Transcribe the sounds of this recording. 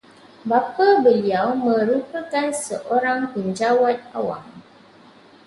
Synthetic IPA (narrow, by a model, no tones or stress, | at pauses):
bapabəliawmə̃ɾupəkansəʔoɾaŋpəɲd͡ʒawat̪̚a̰wa̰m